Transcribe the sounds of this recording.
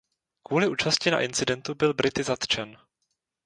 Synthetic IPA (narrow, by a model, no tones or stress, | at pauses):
kvuːlɪʔuːt͡ʃascɪna̰ʔɪnt͡sɪdɛnt̪ubɪlbɾʔɪt̪ɪzat̪t͡ʃɛn